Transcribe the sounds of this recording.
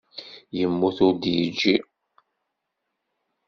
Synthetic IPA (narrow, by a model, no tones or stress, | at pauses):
jəmːuθʊɾd̪jid͡ʒːi